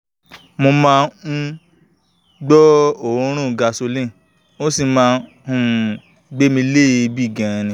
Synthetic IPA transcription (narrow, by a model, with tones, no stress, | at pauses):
mo˧mãː˦˧˦ | ɡ͡bɔ˦õ˨˧˦ɾ̃ũ˦˨ɡa˧so˧lĩ˦˨ | o˦si˦˧mãː˧ | hũ˨ | ɡ͡be˦mĩ˧˦le˦˨˧bi˦˨ɡɛ̃˨˧nĩ˨˧